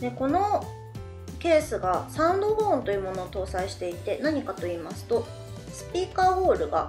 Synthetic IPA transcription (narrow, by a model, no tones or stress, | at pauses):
d̪e̞ko̞no̞ | ke̞ːsɨɡasãɯ̃nd̪o̞hõ̞ːnt̪o̞jɯ̟ːmo̞no̞ːt̪o̞ːsaiɕi̥t̪e̞it̪e̞naɲ̟ikat̪o̞iːmasɨ̥t̪o̞ | sɨ̥pʲiːkaːoːɾɯ̟ɡa̰